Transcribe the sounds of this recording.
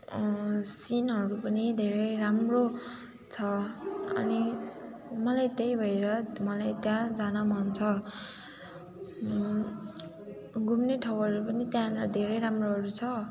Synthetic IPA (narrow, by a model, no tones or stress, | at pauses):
sinɦʌɾupʌnid̪ʱeɾʌɾamro | t͡sʰʌʌ̰ni | mʌlajt̪ejbʱʌeɾʌmʌlajt̪jãd͡zanamʌnt͡sʰʌ | ɡʱumneʈʰʌwɦʌɾupʌnit̪jãd̪ʱeɾʌjɾamroɦʌɾut͡sʰʌ